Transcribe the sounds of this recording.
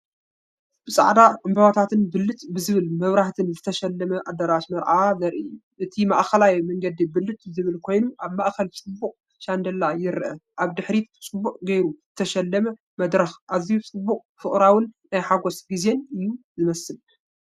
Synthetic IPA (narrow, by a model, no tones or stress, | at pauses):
b̥ɨsʼa̰ʕd̪aɨmbɐwat̪ʰat̪ʰɨnbɨlːɨt̪bɨzɨβɨlmɐβɾaht̪ʰɨnzɨt̪ʰɐʃɐlːɐmɐʔad̪ɐɾaʃmɐɾʔazɐɾʔɨjuʔɨt̪ʰimaʔkʰɐlajmɐŋɡɐd̪ibɨlːɨt̪̚zɨβɨlkʰo̞jnuʔaβmaʔkʰɐlt͡sʼɨbːuqʼ | ʃand̪ɐlːajɪɾʔɐʔaβd̪ɨħɾit͡sʼɨbːuqʼɡejɾuzɨt̪ʰɐʃɐlːɐmɐ | mɐd̪ɾɐxʔazijut͡sʼɨbːuqʼfɨχʼɾawɨnːajħaɡosɡize̞nɨjːuzɨmɐsɨl